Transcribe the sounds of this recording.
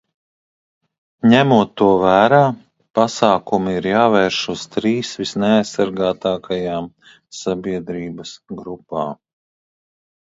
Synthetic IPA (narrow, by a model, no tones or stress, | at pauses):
ɲæmuɔt̪ːuɔvæːɾaː | pasɑːkumiiɾjaːvɛːɾʃuz̥t̪ɾiːsʋisnɛajsːaɾɡaːt̪aːkʰajaːm | sabiɛd̪ɾiːbɐsɡɾupa̰ː